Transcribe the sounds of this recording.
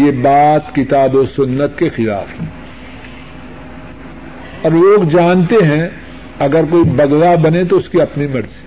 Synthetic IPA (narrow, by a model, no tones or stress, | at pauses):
jebaːt̪kɪt̪aːbosʊnːət̪kexɪla̰ːfɦɛ̃ | ɔːɾloːɡd͡ʒaːnt̪eɦɛ̃ | ɐɡəɾk̬oːibɐɡlabɐnet̪̬oʊskiɐpnimɐɾzi̥